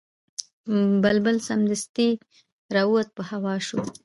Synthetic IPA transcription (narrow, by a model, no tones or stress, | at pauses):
bəlbəlsamd̪əst̪i | ɾɑuat̪̚pəhawɑʃu